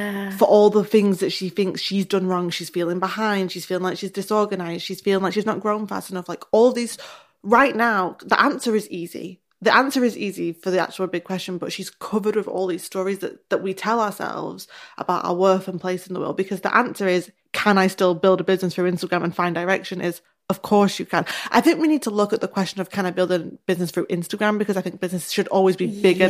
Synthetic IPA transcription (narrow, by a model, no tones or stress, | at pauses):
fə˞ʔɔlˠðəθɪ̃ŋzðɨtʃiθɪ̃ŋksʃizdʌ̃nɹɔ̃ŋʃiz̥filˠɪ̃ŋbɪhãɪ̃nd̥ʃiz̥filˠɪ̃ŋlaɪkʃizdɪsɔɹɡɨnaɪzd̥ʃiz̥filˠɪ̃ŋlaɪkʃiznəʔ̚ɡ̥ɹõʊ̃nfa̰stɨnʌflaɪkɔlˠðiz̥ | ɹaɪʔnaʊðḭʔãnsə˞ɨzizḭ | ðiʔãnsə˞ɨziːzifə˞ðia̰k̚t͡ʃʉl̩ˠbɪɡ̚kw̥ɛst͡ʃɨ̃nbʌtʃiz̥kʰʊvə˞d̚wɨðɔ̰lˠðiz̥stɔɹizðɨ̰ʔðəʔwitʰɛlˠəəsɛ̰lˠvz̥ʔə̰b̥aʊɾa̰ʊə˞wɜ˞fə̃npʰl̥eɪsn̩ðəwɜ̰lˠd̚bɨkʰʌzðḭʔãnsə˞ɪz̥ | kʰə̃naɪstɪlˠbɪlˠdəbɪznɨsfɹʉɪ̃nstəɡɹæ̃mə̃nfãɪ̃ndə˞ɛkʃɨ̃nʔɪz̥ | ʌv̥kʰɔɹsjɨkʰə̃nʔa̰ɪθɪ̃ŋkwinid̚tʰəlʊkət̪̚ðəkʰw̥ɛst͡ʃɨ̃nʌv̥kʰaɪ̃nbɪlˠdɪ̃ŋb̥ɪznɨsfɹʉʔɪ̃nstəɡɹæ̃mbɨkʰʌzaɪθɪ̃ŋk̚b̥ɪznɨsʃɨɾɔlˠwizbibɪɡə